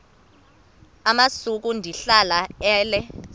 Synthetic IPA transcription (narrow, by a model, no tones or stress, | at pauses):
amasuk̬undʱiɬalaɛːlɛ